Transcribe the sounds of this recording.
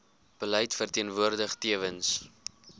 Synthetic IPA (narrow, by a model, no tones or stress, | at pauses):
b̥əlɛjtfərtiənvuərdəχtiəvəns